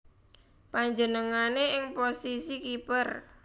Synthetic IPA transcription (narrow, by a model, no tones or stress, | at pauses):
paɲd͡ʒənəŋaneɪŋposisikipər